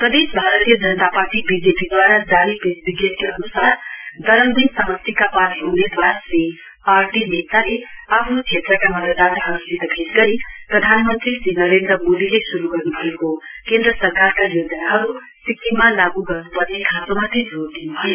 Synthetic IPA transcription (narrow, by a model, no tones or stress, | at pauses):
prʌd̪esbʱaɾət̪ijəd͡zʌnət̪apaɾʈibid͡ʒepid̪waɾadaɾipesbiɡet̪keʌnusaɾd̪ʌɾəmd̪insʌmʌst̪ʰikapanɦuned̪waɾase | aɾʈinet̪aleapʰnot͡ʃʰet̪ɾʌkamʌd̪əd̪at̪ɦʌɾusit̪ɡʰʱetɡʌɾiprʌd̪ʱanmənt̪ɾisinʌɾend̪ɾəmod̪ilesuɾuɡʌrnubʱʌekokend̪ɾəsʌɾkaɾkajod͡ʒənaɦʌɾu | sikt̪imalaɡuɡʌrnupʌɾnekʰat̪omat̪ʰid͡zoɾd̪inubʱʌjo